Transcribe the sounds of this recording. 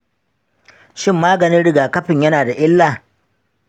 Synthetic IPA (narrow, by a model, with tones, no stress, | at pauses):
ʃɪ˦mːaː˦ɡɐ˨nɪ˦nɽɪ˦ɡaː˨kɐ˦ɸɪ˨ɲjɐ˦naː˨da˨ʔɪ˦lːaː˨